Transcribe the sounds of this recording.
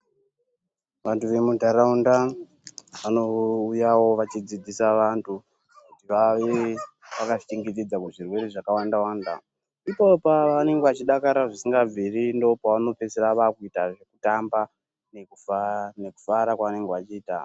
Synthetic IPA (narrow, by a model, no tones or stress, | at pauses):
ʋantʰuʋe̞mudʱaɾaunda | ʋanoujawo̞ʋat͡ʃid͡zid͡zisaʋantʰu | kutiʋaʋe | ʋakat͡ʃiŋɡit̬id͡zakuʐirwe̞ɾeʐakawandawanda̰ | ipopaane̞ŋɡeʋat͡ʃiɗakaɾaʐisiŋɡab͡virindo̞paʋano̞pe̞seraʋakuitaʐe̞kutamba | nekune̞ku̥faɾakwaʋane̞ŋɡeʋat͡ʃiːta̰